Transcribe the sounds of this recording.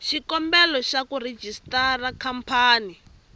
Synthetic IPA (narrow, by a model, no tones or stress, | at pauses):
ʃikɔmbɛlɔʃakured͡ʒistarakʰampʰaːni